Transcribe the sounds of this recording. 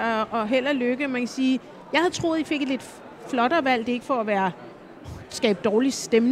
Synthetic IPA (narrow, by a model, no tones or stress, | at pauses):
ɒɒ̽ɦel̰ɐløɡ̥əmænkʰæsiː | jɑ̈ɪhæð̩ˠt͡sʰʁo̝̰ːðˠife̝ɡ̥le̝d̥ | flɒ̽ɾ̥ɐːʋæl̰d̥e̝e̝ɡ̥əfɒæʋæːɐ | sɡ̥ɛ̰ːb̥̚d̥ɒːlisd̥emn